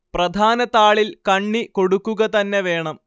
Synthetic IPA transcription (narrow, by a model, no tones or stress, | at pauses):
prɐd̪ʱaːnɐt̪aːɭilkɐɳːiko̞ɽukːuɣɐt̪ɐnːeʋe̞ːɳɐm